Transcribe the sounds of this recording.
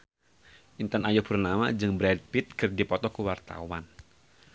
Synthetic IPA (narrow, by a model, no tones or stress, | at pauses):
ʔint̪anajubərnama̰d͡ʒɨŋbɾɛd̚pɪt̪̚kɨrdipɔt̪ɔkuwart̪a̰wan